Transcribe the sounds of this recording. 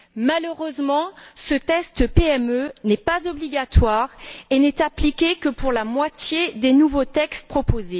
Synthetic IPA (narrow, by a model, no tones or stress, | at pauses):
maløʁøzmɑ̃sət̪ɛst̪əpeɛmønɛpazɔbliɡat̪waʁenɛt̪aplikʲekəpuʁlamwat̪jed̪enuvot̪ɛkst̪̚pχɔpoze